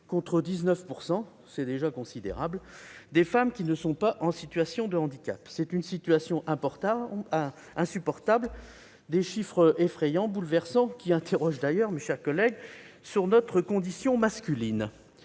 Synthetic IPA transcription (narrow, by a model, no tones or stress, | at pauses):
kɔ̃t̪χəd̪iznœfpuʁsɑ̃ | sɛd̪eʒakɔ̃sid̪ḛʁa̰bld̪efamkʲinəsɔ̃paʔɑ̃sit̪ɥasjɔ̃d̪əɑ̃d̪ikʲa̰psɛt̪ynsit̪ɥasjɔ̃ʔɛ̃pɔʁt̪a | ɛ̃sypɔʁt̪abl | d̪eʃifχəʔefχɛjɑ̃bulvɛʁsɑ̃kʲiɛ̃t̪eʁɔʒd̪ajœʁmeʃɛʁkɔlɛɡsyʁnɔt̪χəkɔ̃d̪isjɔ̃maskʲylin